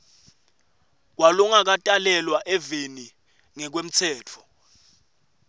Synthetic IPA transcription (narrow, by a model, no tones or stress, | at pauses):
k̬waluŋak̬atʼalɛlwaʔɛveni | ŋɛk̬wem̩t͡sʰɛːt͡fʰɔ